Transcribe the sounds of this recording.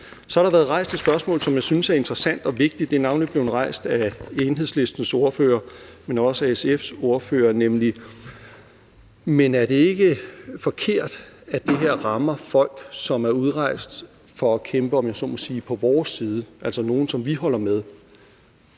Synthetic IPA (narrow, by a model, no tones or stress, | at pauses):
sɒ̽hɑɾ̥ɑ̈ʋæːɐðˠʁɑ̈ɪ̰sd̥ʰesb̥ɶɐsmɔ̰ːl̩ˠsɒ̽mjäɪsynsæɐe̝nd̥ʁɐsæn̰d̥ɒ̽ʋe̝ɡ̥̚d̥id̥e̝nɑ̈ʊnlib̥le̝ʊn̩ʁɑ̈ɪ̰sd̥æeːnɦe̝sle̝sd̥n̩so̝ɐfø̰ːɐmenɒ̽səæesefso̝ɐfø̰ːɐnemli | menæɐde̝e̝ɡ̥əfɒ̽kʰe̝ɐ̰d̥æd̥e̝ɦeɐ̰ʁɑ̈mɐfɒ̽l̰ɡ̥sɒ̽mæɐuð̞ˠʁɑ̈ɪ̰sd̥ | fɒ̽ækʰemb̥əɒ̽mjɑsɔ̰ːmɒsiːpʰɒ̽ʋɒːsiːð̞ˠəʔæl̰sɐno̝ːn̩sɒ̽mʋihɒ̽l̰ɐmeð̞ˠ